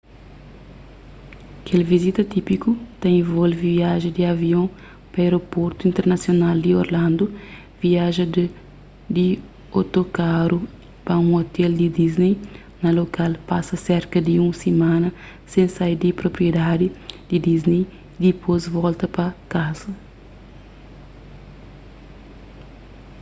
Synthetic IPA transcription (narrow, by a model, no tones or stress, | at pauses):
ɐkʰelvizit̪ɐt̪ipikut̪ɐẽvolviviaʒed̪iɐviõ | pɐeɾopoɾt̪uĩnt̪eɾnɐsjonald̪io̰ɾlãnd̪u | viaʒɐ | d̪i | ot̪okaɾu | pɐũot̪ɛld̪id̪iznej | nɐlokalpasɐsɛɾkɐd̪iũsemãnɐ | sẽnsajd̪ipɾopɾied̪ad̪id̪̥id̪iznej | d̪ipʰozvɔlt̪ɐpɐkazɐ